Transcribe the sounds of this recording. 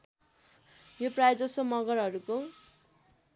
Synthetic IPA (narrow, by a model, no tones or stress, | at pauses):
joprajd͡zʌsomʌɡʌrɦʌɾuko